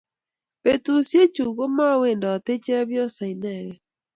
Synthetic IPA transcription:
pe˨tu˨sje˦t͡ʃu˨ɣo˦ma˦we˨nda˨te˦t͡ʃɛ˦a˦βjɔ˦sa˨i˨nɛ˨ɣɛ˨

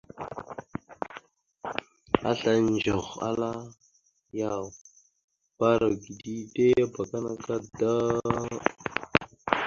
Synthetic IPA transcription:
a̰˦ɬa˦nd͡ʒo˨ɣa̰˦la˦ | ja˦˨w | ba˦ɾa˨ɡi˨di˦de˦ba˨ka˦na˦ka˦da˦

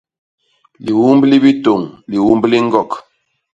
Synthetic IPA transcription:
li˨wu˦mbli˦bi˦to˨ŋli˨wu˦mbli˦ŋ̩˦ɡɔ˦˨k

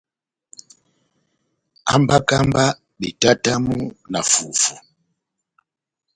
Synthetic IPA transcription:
a̰˦mba˦ka˦mba˦ | ɓi˨ta˦ta˦mu˦na˨fu˨fu˨

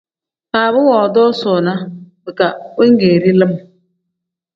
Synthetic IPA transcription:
faː˨bʊ˦wɔː˨dɔ˦sʊː˨na˦bɨ˨ka˨we˦ŋ̩˦ɡeː˨ɾi˦lɪ˦m˨

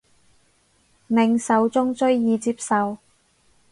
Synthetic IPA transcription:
mɪ˨˧ŋsɐ˨˧wt͡sʊ˥ŋt͡sɵ˥ɥjiː˨˧t͡siː˧p̚sɐ˨˧w

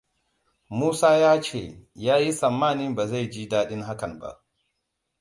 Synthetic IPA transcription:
muː˦saː˦jaː˦t͡ʃeː˦˨jaː˦ji˦sɐ˨mːaː˦˨nɪ˦mba˨za˦˨jd͡ʒiː˦daː˦ɗɪ˦ŋha˦kɐ˨mba̰˦ʔ

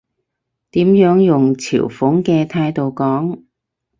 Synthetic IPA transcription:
t̪iː˨˥mjœː˨˥ŋjʊ˨ŋt͡sʰḭː˨˩wfʊ˨˥ŋkɛː˧t̪ʰaː˧jt̪o˨˧wkɔː˨˥ŋ

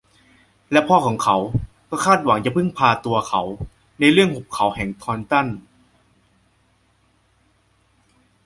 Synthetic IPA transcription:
lɛ˦˥pʰɔː˥˩kʰɔː˩˦ŋkʰa˩˦w | kɔː˥˩kʰaː˥˩t̪̚wa˩˦ŋt͡ɕa˨˩pʰɯ˥˩ŋpʰaː˧t̪u˧ɐkʰa˩˦w | na˧jɾɯ˥˩əŋho˨˩p̚kʰːa˨˩˦whɛː˨˩ŋt̪ʰɔː˧nt̪a˥˩n

